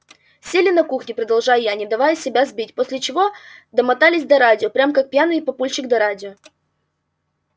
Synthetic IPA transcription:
sʲelʲɪnɐkuxnʲɪpɾəd̪ɐlˠʐajʊjanʲɪd̪ɐvajʊsʲɪbʲazbʲitʲposʲlʲɪt͡ɕɪvo̞d̪əmɐt̪alʲɪsʲd̪ɐɾadʲɪopɾʲamkak̚pʲjanɨɪpɐpulʲt͡ɕɪkd̪ɐɾadʲɪo

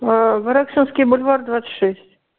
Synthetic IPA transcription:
vəɾaksɨnskʲɪjbʊlʲvard̪vat̪sɨ̥t̪ʲʂɛsʲtʲ

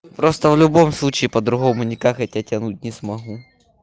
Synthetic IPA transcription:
pɾost̪əvlʲʊbo̞mslˠut͡ɕɪːpɐd̪ɾʊɣo̞mʊnʲɪkakɐtʲatʲɐnut̚ʲnʲɪsmɐɦu

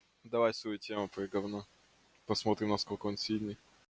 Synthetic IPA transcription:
d̪ɐvajsvɐjutʲemʊpɾɨɡɐvno | pɐsmo̞t̪ɾʲɪmnɐskolʲkəonsʲilʲnɨj

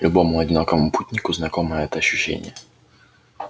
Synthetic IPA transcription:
lʲʊbo̞mʊɐdʲɪnakəvəmʊputʲnʲɪkʊznɐko̞məjəɛt̪əɐɕːʉɕːḛnʲɪ̰jə

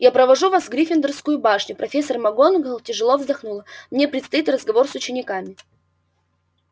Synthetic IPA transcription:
japɾəvɐʐuvasɡɾʲifʲɪnd̪ərskʊjʊbaʂnʲʊpɾɐfʲesːərmɐɡonɡəlˠtʲɪʐɨlˠovzd̪ɐxnulˠəmnʲe̞pɾʲɪt̪st̪ɐit̪rəzɡɐvo̞rsʊt͡ɕɪnʲɪkamʲɪ

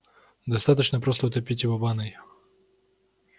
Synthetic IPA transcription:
d̪ɐst̪at̪ət͡ɕnəpɾost̪əʊt̪ɐpʲitʲɪvobanɨj

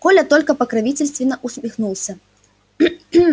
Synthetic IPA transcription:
kɔlʲɐt̪ɔlʲkɐpɐkɾavʲit͡sʲɐlʲst̪vʲɪnɐʔusʲmʲixnulˠsʲɐ

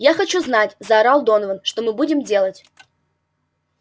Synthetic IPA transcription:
jaxɐt͡ɕuznatʲzɐːɾalˠd̪o̞nəvənʂt̪o̞mɨbudʲɪmdʲe̞lˠətʲ

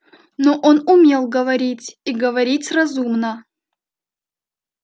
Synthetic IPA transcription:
noʔonʊmʲelˠɡəvɐɾʲitʲiɡəvɐɾʲitʲrɐzumnə

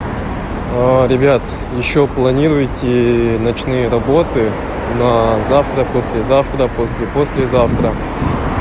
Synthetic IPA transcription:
əɾʲɪbʲat̪ | jɪɕːoplˠɐnʲiɾʊjtʲɪnɐt͡ɕnɨjəɾɐbo̞t̪ɨ | nɐzaft̪ɾəposʲlʲɪzaft̪ɾəposʲlʲɪposʲlʲɪzaft̪ɾə

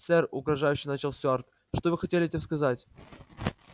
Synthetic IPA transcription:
sɛrʊɡɾɐʐajʉɕːɪjnat͡ɕɪlˠsʲʊart̪ | ʂt̪ovɨxɐtʲelʲɪtʲemskɐzatʲ

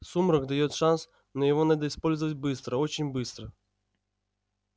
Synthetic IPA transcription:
sumɾɔɡd̪ajɔt̪ʂans | nɐjɛvɔnad̪ɐispɔlʲzvɐtʲbɨst̪ɾɐɔt͡ɕɪnʲbɨst̪ɾɐ

